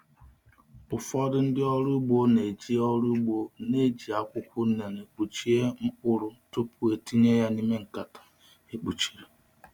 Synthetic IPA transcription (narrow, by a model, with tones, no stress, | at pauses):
ʊ˨fɔ˦dʊ˦n̩˦dɪ˦ɔ˦ɾu˦ɡ͡bo˦ne˨d͡ʒi˦ɔ˦ɾu˦ɡ͡bo˨ne˨d͡ʒi˨a˨kʷʊ˦kʷʊ˦n̩˦ne˨ne˨k͡pu˨t͡ʃi˦e˦ŋ̩˦k͡pʊ˦ɾʊ˦to˦pu˦e˨ti˦ɲe˦ja˦ni˦me˦ŋ̩˨ka˨tḁ˨ | e˨k͡pu˨t͡ʃi̥˨ɾe˨